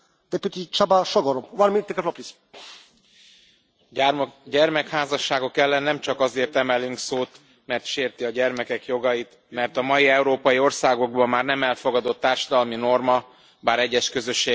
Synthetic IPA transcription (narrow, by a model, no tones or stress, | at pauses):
d̪ɛpyt̪it͡ʃabaʃɔɡɔɾowanmit̪ːekɛflɔpɾis | ɟɛrmɛkhaːzɒʃːaːɡo̞kɛlːɛnːɛmt͡ʃɒkɒzeːrt̪ɛmɛlyŋksoːt̪ | mɛrt̪ʃeːrt̪iɒɟɛrmɛkɛkjo̞ɡɒjit̪ | mɛrt̪ɒmɒjiɛuɾoːpɒjio̞rsaːɡo̞ɡbɒmːaːrnɛmɛlfo̞ɡɒd̪o̞t̪ːaːrʃɒd̪ɒlmino̞rmɒ | baːɾɛɟːɛʃkø̞zø̞ʃːeː